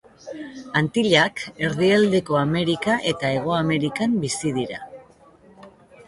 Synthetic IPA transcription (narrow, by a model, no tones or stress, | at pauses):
ant̪iʎake̞ɾðiald̪e̞ko̞ame̞ɾikaʔe̞t̪ae̞ɣ̞o̞ame̞ɾikambisið̞iɾa̰